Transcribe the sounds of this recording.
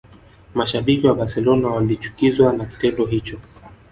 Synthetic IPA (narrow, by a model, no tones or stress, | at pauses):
maʃaɓikiwabasɛlɔnawalit͡ʃu̥kizwanaki̥tɛndɔɦit͡ʃɔ